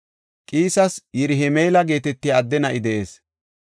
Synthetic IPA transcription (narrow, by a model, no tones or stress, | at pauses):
kʼiːsɐsjɛɾɪɦɛmejlɐɡe̞ːt̪ɛt̪ːɪjːd̪ːɛnɐʔɪd̪ɛʔeːs